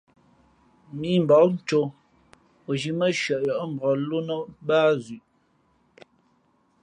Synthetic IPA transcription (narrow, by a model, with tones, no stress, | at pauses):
mi˦m˨bɔ˨˦n̩˦˨t͡ʃo˨ | o˨d͡ʒi˨mə˦ʃɥə˨ʔjɔ˨ʔm̩˨bɔ˨lu˦nə˦baː˦zi˨ʔ